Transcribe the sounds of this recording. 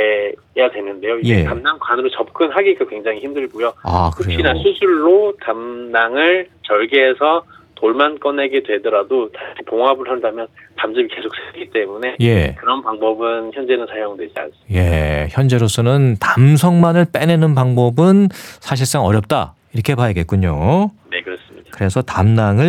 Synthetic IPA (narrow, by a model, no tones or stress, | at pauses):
jadwe̞nɯnde̞joijd͡ʑekamdaŋkwanɯɾot͡ɕʌp̚k͈ʰɯnɦaɡiɡakwe̞ŋd͡ʑaŋiçimdɯɭɡujoa̰kɯɾeɕ͈inasʰusʰuɭːotamnaŋɯɭt͡ɕʌɭɡeɦesʰʌtoɭmank͈ʌne̞ɡe̞dwe̞dʌɾadotaipoŋɦabɯɭɦandamjʌntamd͡ʑibike̞sʰok̚s͈ʰeɡit͈emune̞je̞kɯɾʌnpaŋbʌbɯnçjʌnd͡ʑe̞nɯnsʰajoŋdwe̞d͡ʑia̰nsje̞çjʌnd͡ʑe̞ɾos͈ʰʌnɯntamsʰʌŋmanɯɭp͈e̞nenɯnpaŋbʌbɯnsʰaɕ̬ʰiɭs͈aŋʌɾjʌp̚t͈a̰ | iɾʌkʰe̞pajʌɡe̞t̚k͈uɲone̞kɯɾʌs͈ɯmɲid̥akɯɾe̞sʰʌtamnaŋɯɭ